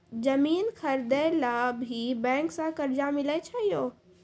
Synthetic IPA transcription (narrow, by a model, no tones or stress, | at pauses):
d͡ʒəmiːnkʰəɾd̪əlabʱibɛ̃ːŋksãkəɾd͡ʒamɪlət͡ʃʰəɦijoː